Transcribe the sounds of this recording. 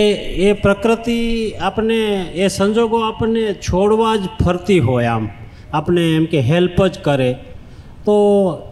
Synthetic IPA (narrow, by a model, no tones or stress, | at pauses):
eːpɾəkɾɪt̪iaːpneesə̃nd͡ʒoːɡoaːpnet͡ʃʰoːɽʋad͡ʒpʰəɾt̪iɦoːeaːm | aːpneɪmkeɦelpəd͡ʒkəɾẽ | t̪o